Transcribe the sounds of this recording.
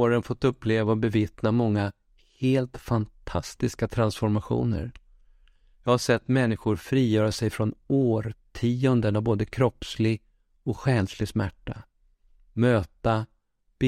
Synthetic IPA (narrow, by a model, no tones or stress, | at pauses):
ɾənfɔt̪ːɵpːleːvaɔbɛvɪt̪namɔŋːa | heːlt̪fant̪ʰast̪ɪskat̪ʰɾansfɔɾmaɧṵːnə̰ɾ | jɑːhaʂsɛt̪ːmɛnːɪɧʊɾfɾiːjœːɾasɛjfɾɔnoːɾtʰiːɔnd̪ənavboːd̪əkʰɾɔpːslɪɡ | ɔkɧɛnslɪɡsmæʈːa | møːt̪a | b̥